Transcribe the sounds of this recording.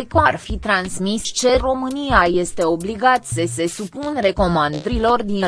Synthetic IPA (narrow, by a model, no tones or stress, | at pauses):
ekorfit̪ɾansmist͡ʃe̞ro̞mɨnijaje̞st̪e̞o̞bliɡat̪səse̞supunre̞ko̞mand̪ɾilo̞rd̪i